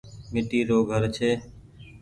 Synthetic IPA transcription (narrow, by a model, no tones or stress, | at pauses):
mɪʈiːɾoːɡʱəɾt͡ʃʰeː